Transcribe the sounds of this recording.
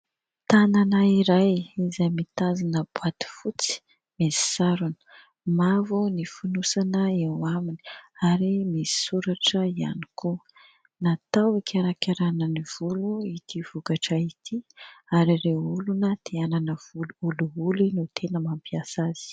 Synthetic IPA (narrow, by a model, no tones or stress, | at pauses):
t̪ananaiɾajizajmit̪azinəb̥wat̪i̥fut͡si̥ | mesi̥saɾunə̥ | mavunifunusanəewamini̥aɾimesi̥suɾaʈ͡ʂəia̰ni̥ku | nat̪awekʰaɾakʲaɾanəniv̥uluit̪ʰiv̥ukaʈ͡ʂəit̪ʰiaɾireulunət̪ʰeananəvuluuluulinut̪ʰenəmampiasaz̥i̥